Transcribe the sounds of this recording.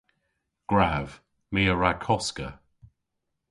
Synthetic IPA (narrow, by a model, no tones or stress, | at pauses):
ɡ̥ɹav̥ | miəɹakʰɔskə